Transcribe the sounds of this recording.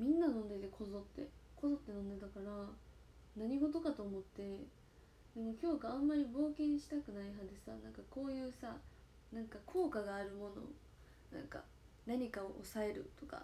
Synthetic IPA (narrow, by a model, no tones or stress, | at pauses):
mʲĩnːanõ̞nd̪e̞t̪e̞kʰo̞zo̞t̪ːe̞ko̞zo̞t̪ːe̞nõnd̪e̞t̪akaɾa | naɲ̟iɡo̞t̪o̞kat̪o̞ːmo̞t̪ːe̞ | d̪̥e̞mo̞kʲo̞ːɡaãmːaɾʲibo̞ːkẽɰ̃ɕi̥t̪akɯ̟naiɦad̪e̞sa̰nãŋkako̞ːjɯ̟ːsa | nãŋkakʰo̞ːkaɡaːɾɯ̟mo̞no̞̰ | nã̰ŋka̰ | naɲ̟ikao̰ʔosae̞ɾɯ̟̰t̪o̞ka̰